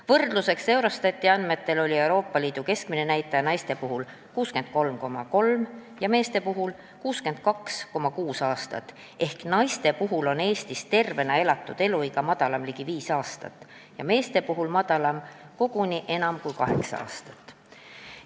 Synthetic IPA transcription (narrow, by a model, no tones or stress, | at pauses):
vɤrd̪̥luse̞kse̞wɾost̪ɑt̪ʲˑːiɑnme̞t̪ːe̞lo̞lʲie̞wɾo̞ːpːˑɑliːd̪̥uke̞skmine̞næjt̪ːˑɑjɑnɑjst̪e̞puɦul | kuːske̞nd̪̥̚ko̞lmko̞mɑko̞lmjɑme̞ːst̪e̞puɦul | kuːske̞nd̪̥̚kɑksko̞mɑkuːsɑːst̪ɑ̰t̪ː | e̞hknɑjst̪e̞puɦulo̞ne̞ːst̪ist̪e̞rve̞nɑe̞lɑt̪ːˑud̪̥e̞luiɡɑmɑd̪̥ɑlɑmliɡ̥iviːsɑːst̪ɑ̰t̪ːˑ | jɑme̞ːst̪e̞puɦulmɑd̪̥ɑlɑm | ko̞ɡ̥uniʔe̞nɑmkujkɑɦe̞ksɑɑ̰ːst̪ɑ̥t̪ːˑ